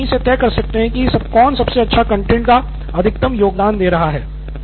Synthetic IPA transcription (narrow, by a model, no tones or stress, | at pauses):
iset̪ɛːkɐɾsɐk̚t̪eɦɛ̃kisɐb̚kɔːnsɐbseɐtːʃʰakɐ̃ɳʈẽːɳʈka | ɐd̪ʱɪk̚t̪əmjoːɡd̪aːnd̪eːɾɐɦaɦɛː